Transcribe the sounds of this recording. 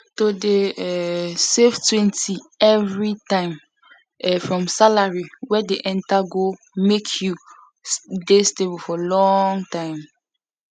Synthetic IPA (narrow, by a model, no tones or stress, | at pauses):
todeɛseftwɛ̃ntiɛvɹitãɪ̃m | ɛfɹɔ̃msalaɹiwɛdeʔɛ̃ntaɡo | mekʰju | destebufɔlɔ̃ŋtãɪ̃m